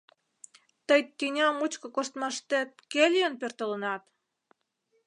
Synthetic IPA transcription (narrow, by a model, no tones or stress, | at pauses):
t̪əjt̪ʲːinʲɑmut͡ɕkɤ̆kost̪mɑʃt̪et̪̚kelʲjənpørt̪ə̆lənɑt̪